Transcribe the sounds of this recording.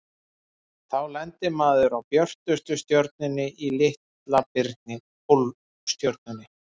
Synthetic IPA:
θawlɛnt̪ɪmaːðʏɾawpjœr̥t̪ʏst̪ʏst̪jɔɾt̪̚nɪnːɪʔilɪht̪ | lapɪɾt̪nɪ | pol | st̪jɔɾt̪̚nʏnːɪ

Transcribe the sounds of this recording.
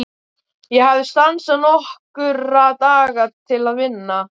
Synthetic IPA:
jɛhavðɪst̪ansanɔhkʏɾat̪aːɣat̪ʰɪlaðvɪnːa

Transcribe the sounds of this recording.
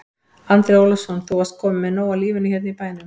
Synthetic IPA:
ant̪ɾejowlɪsɔnθuwast̪̚kʰɔːmɪmɛnoːwaliːvɪnːɪçjɛt̪nɪipaːjnʏm

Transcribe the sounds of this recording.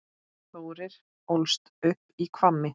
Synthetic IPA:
θoːwɾɪɾ̥ | owlst̪ʏhpːikʰvamːɪ

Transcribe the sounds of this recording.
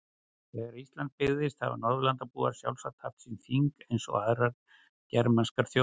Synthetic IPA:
θɛɣaɾist̪lant̪̚pɪɣðɪst̪θa̰va̰nɔɾðʏlant̪apuːaɾ̥sja̰wlsat̪ʰaft̪sinθiŋkejnsɔ̰ɣaðɾaɾ | cɛɾmanskaɾ̥θjo

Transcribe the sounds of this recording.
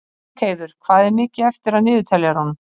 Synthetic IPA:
kʰeːjðʏɾ̥kʰv̥aːðɛɾmɪːcɪɛft̪ɪɾaðnʏːðʏt̪ʰɛljaɾhanm

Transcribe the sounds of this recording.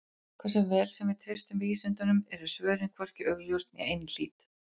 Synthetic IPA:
kʰvɛɾsɛvɛːlsɛmvɪðt̪ʰɾest̪ʏmiːsɛnt̪ʏnʏmɛɾʏsvœːɾɪnkʰvɔr̥cɪœɣljowst̪nḭejnɪnl̥ḭːt̪

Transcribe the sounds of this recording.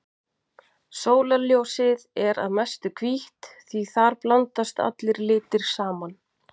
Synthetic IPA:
soːwlaljowsɪðɛɾa̰ðmɛst̪ʏkʰviht̪θiθaɾplant̪ast̪a̰t̪lɪɾlɪːt̪ɪɾ̥saːman

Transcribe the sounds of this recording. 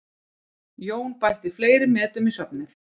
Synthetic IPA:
joːwnpajht̪ifleːjɾɪmɛːt̪ʏmisapnɪθ

